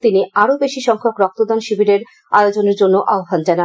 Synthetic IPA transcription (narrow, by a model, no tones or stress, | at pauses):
t̪iniaɾobeʃiʃɔŋkʰokɾɔk̚t̪od̪anʃibiɾeɾ | a̰od͡ʑoneɾd͡ʑonːoʔaoɦand͡ʑana